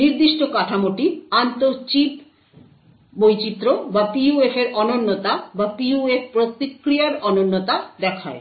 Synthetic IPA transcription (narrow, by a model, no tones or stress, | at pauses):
niɾd̪iʃʈokaʈʰamoʈiant̪oɾt͡ɕip | bojt͡ɕit̪ːɾobapiuefeɾʔɔnonːot̪abapiuefʰpɾot̪ikɾijaɾɔnonːot̪ad̪ɛkʰae